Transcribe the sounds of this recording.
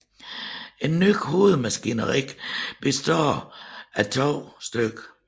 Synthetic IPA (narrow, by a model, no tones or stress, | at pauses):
e̝nːyɡ̥ho̝ːð̩ˠmæsɡ̥ḭnɐʁiɡ̥b̥e̝sd̥ɒ̰ːæt͡sʰɒʊ̰sd̥øɡ̥